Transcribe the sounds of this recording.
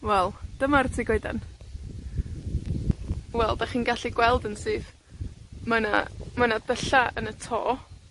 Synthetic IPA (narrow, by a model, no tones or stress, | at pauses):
wɛlˠd̥əmartʰiɡoɨda̰n | wɛlˠdaχiːnɡaɬiɡwɛlˠdənsɨːð | mana̰manadəɬaʔənətʰo̰ː